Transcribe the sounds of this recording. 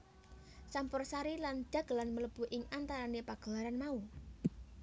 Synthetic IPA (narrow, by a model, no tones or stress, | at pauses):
sampʊrsaɾiland̥a̤ɡ̥lanmələb̥ṳʔɪŋant̪aɾanepaɡ̥a̤laɾanmau